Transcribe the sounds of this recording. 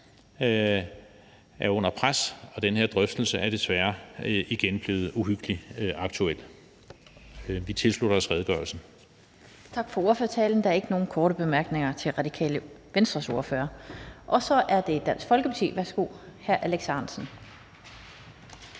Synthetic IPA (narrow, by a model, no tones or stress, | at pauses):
æɐɔ̽n̰ɐpʰʁasɒ̽d̥enəheɐ̰d̥ʁœfd̥l̩səʔæɐɾ̥esʋæːɐiɡ̥enb̥le̝ːð̞̩ˠuɦyɡ̥əliɑ̈ɡ̥̚t͡sʰuel̰ | ʋit͡sʰe̝lsluɾ̥ɐɒ̽sʁɛðˠɡ̥ɶɐlsn̩ | t͡sʰɑ̈ɡ̥fɒ̽o̝ɐføɐt͡sʰɛ̰ːln̩d̥ɑ̈æɐe̝ɡ̥əno̝ːn̩kʰɒːɾəb̥e̝mæɐɡ̥ne̝ŋɐt͡sʰe̝lʁɑ̈d̥ikʰɛ̰ːləʋensd̥ʁɐso̝ɐfø̰ːɐʔɒ̽sɒ̽ʔæɐd̥e̝d̥æn̰sɡ̥fɒ̽lɡ̥əpʰɑ̈t͡sʰḭːʋæɐsɡ̥o̝̰ːhæɐʔæleɡ̥sɑnsn̩